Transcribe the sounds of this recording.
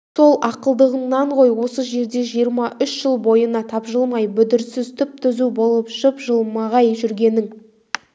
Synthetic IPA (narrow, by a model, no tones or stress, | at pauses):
so̞lˠʔɑqəlˠd̪əʁəɴnɑɴʁo̞jwo̞səʒe̞ɾd̪e̞ʒijəɾmɑʔʏʃʒəlˠbo̞jənɑt̪ʰɑpʒəlˠmɑjbʏd̪ɪɾsɪzt̪ʰʏp̚t̪ʰʏzubo̞lˠəpʒəpʒəlˠmɑʁɑjʒʏɾɡʲe̞nɪŋ